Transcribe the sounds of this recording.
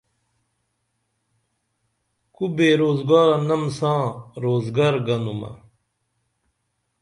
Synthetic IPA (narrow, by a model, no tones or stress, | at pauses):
kubeːɾoːzɡaːɾɐnɐmsãːɾoːzɡɐɾɡɐnumɐ̰